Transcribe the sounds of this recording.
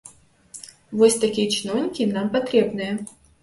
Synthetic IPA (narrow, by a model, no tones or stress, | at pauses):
vɔsʲt̪akʲijɐt͡ʃinɔwnʲikʲinampat̪ɾɛbnɨjɐ